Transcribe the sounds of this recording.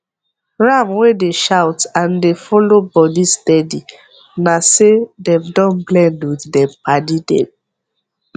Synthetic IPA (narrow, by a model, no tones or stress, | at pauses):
ɹamwedeʃawtãndefɔlobɔdistɛdi | nasedɛ̃mdɔ̃nblɛ̃ndwiθdɛpadidɛ̰̃m